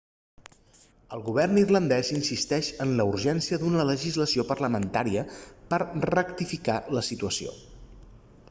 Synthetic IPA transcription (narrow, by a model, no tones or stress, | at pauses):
əlˠɣuβ̞ɛrnirlənd̪ɛzinsist̪ɛʃənləuɾʒɛnsiəd̪unələʒizləsiopərləmənt̪aɾiəpəɾrəkt̪ifikaləsit̪uəsio̰